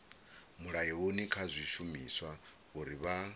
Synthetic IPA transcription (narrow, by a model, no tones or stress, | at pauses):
muɺajionikʰazʷiʃumiswa | ɣuɾiβa